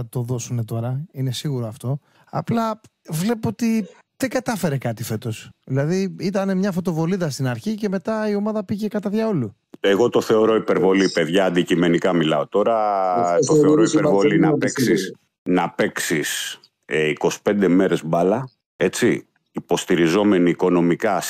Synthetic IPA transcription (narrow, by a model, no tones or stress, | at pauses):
ɐt̪o̞ðo̞sune̞t̪o̞ɾɐine̞siɣuɾoɐft̪o̞ | ɐ̰plɐ | vle̞poot̪i | ðeɡɐt̪ɐfe̞ɾe̞kɐt̪ife̞t̪o̞sðilɐðiit̪ɐne̞mɲɐfo̞t̪o̞vo̞liðɐst̪inɐɾçice̞me̞t̪ɐio̞mɐðɐpiʝe̞kɐt̪ɐðʝɐo̞lu | eɣo̞t̪o̞θe̞o̞ɾo̞ipe̞ɾvo̞lipe̞ðʝɐːnd̪icime̞nikɐmilɐo̞t̪o̞ɾɐt̪oθeoɾoipeɾvolinɐpeksis | nɐpe̞ksis | eiko̞si̥pe̞nd̪e̞me̞ɾe̞zbɐlɐ | e̞t͡si | ipo̞st̪iɾizo̞me̞niːko̞no̞mikɐs